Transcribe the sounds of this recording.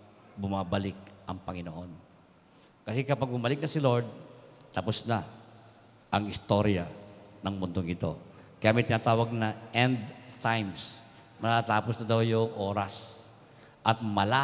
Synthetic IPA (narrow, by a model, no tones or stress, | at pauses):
bʊmabɐlɪk̚ʔɐŋpɐŋɪnoʔo̞n | kɐsɛkɐpaɡ̚bʊmɐlɪk̚nɐsɪlo̞ɹd̪̚t̪ɐposna | ʔɐŋɪst̪o̞ɾjɐ̰nɐŋmʊnd̪oŋʔɪt̪o̞̰ | kɐjaːʔmɐjt̪ɪnaːt̪aːwɐɡ̚nɐʔɛnd̪̚t̪ajms | nɐt̪at̪aːposnɐd̪awjʊŋʔoːɾɐs | ʔɐt̪̚mɐla